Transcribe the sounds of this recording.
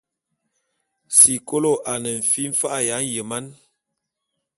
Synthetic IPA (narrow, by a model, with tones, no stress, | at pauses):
si˨ko˦lo˦ʔa˨nə˨ɱ̩˨fi˦ɱ̩˦fa˦ʔja˨˦n̩˦jə˨ma˦n